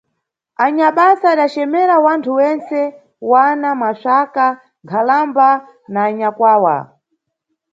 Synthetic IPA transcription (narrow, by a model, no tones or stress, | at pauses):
aɲaɓasaːɗat͡ʃɛmɛɾawantʰuwɛnt͡sɛ | wanamaʃaka | ŋɡʰalamba | naːɲakwaːwa̰